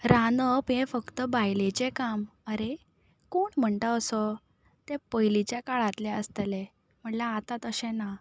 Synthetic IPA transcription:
ɾanəpẽfəkt̪əbajlet͡ɕekaməɾe | koːɳm̤əɳt̪əəsɔ | t̪ɛ̃pəjlit͡ɕjakaɭat̪lɛəst̪əlɛ̃ | m̤əʈlãːt̪at̪əɕɛ̃na

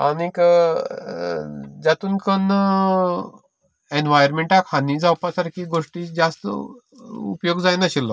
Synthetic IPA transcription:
anik | d͡zat̪uːnkən | enʋajəɾmeɳʈakʰhaniːd͡zawpasaɾkiɡoʂʈid͡zast̪ə̰ | ṵpjoɡd͡zajnaɕilːɔ

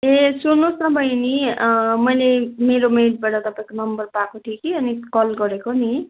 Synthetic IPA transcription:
esunusnʌbʱʌjnimʌjlemeɾomejʈ̚baʈʌt̪ʌpãẽkonʌmbʌrpakoʈʰikiʌnikʌlɡʌɾekoni

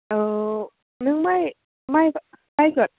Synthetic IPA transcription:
ʔɤː | nɯŋmaj | maj | kajkɯət̪̚

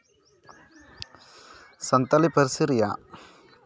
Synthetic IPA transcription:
sɐnt̪ɐlipɐɾsɾɪja̰ː

